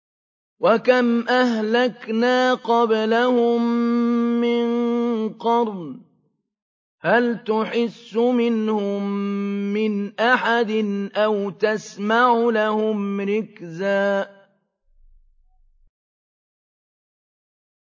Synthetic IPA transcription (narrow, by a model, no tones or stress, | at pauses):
wakamʔaɦlaknaːqɑblahʊmː | ɪnqɑɾˤn | halt̪ʊħɪsːʊmɪnhʊmː | ɪnʔaħad̪ɪnʔawt̪asmaʕʊlahʊmɾɪkzaː